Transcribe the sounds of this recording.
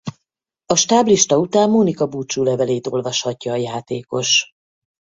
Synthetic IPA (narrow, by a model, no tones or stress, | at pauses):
ɒʃt̪aːbliʃt̪ɒut̪aːmːonikɒbuːt͡ʃuːlɛvɛleːt̪o̞lvɒʃhɒcːɒːjaːt̪eːko̞ʃ